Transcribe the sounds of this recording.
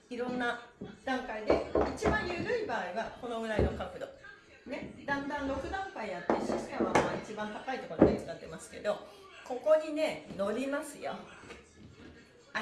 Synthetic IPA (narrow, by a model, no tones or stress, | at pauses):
iɾõ̞nːad̪̥ãŋkaid̪e̞it͡ɕibãɰ̃jɯːɾɯ̟ibaːiβako̞no̞ɡɯ̟ɾaino̞kakɯ̟d̪o̞̰ | ne̞d̪ãnd̪ãnɾo̞kɯ̟d̪ãmpaijat̪ːeɕiɕi̥t̪aβamaːit͡ɕibãnt̪akait̪ːo̞kot̪oɡait͡sɨɡat̪ːe̞̰masɨ̥ke̞̰d̪o̞ko̞ko̞ɲ̟ine̞no̞ɾʲimasɨjo̰